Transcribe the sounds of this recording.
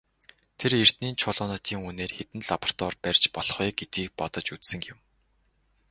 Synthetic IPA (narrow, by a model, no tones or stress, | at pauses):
t̪ʰerer̥t̪niːnt͡ɕʰʊːɮʊːnʊːt̪ʰiːŋuneːrxet̪ɘ̆nɮapɔ̥̆r̥t̪ɔːrpærʲt͡ɕpɔɮχiːɡet̪iːk̚pɔt̪ɞ̆t͡ɕut͡ssɘ̆ŋɡɪ̆m